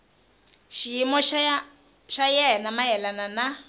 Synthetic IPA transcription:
ʃijimɔʃ | ʃajɛnamajɛlanana

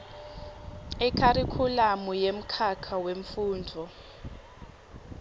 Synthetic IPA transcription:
ɛkʰaɾikʰulamujem̩kʰakʰaweɱfuːndʱɔ

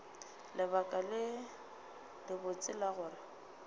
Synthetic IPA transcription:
lɪbakʼalɪ | lɪbʊt͡sʼɪlaɣʊːrɪ

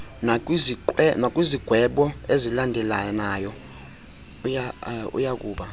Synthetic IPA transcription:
naziɛnak̬ʼwiziɡ̥ʱwɛɓɔezilandʱɛlanaːjɔ | jaṵjak̬ʼuːɓa

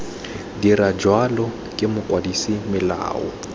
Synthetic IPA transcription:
dirad͡ʒwalɔ | kʼɪmʊkʼwadisimɪla̰ːɔ̰

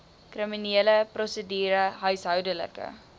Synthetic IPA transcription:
krimineːləprɔsədiːɾəɦœɥsɦœwdələ̰kə̰

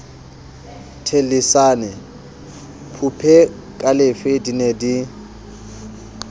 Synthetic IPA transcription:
tʰelisaːnɛ | pʰupʰɛ | kʼalɪfedinedi

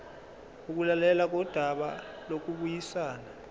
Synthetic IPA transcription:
uk̬ulalɛlak̬ɔd̥ʱaɓa | lok̬uɓujisaːna

